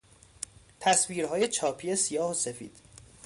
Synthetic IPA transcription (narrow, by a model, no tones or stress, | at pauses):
t̪ʰæsviːɾɦɒːjet͡ʃʰɒːpʰijesijɒːhosefḭːd̪̥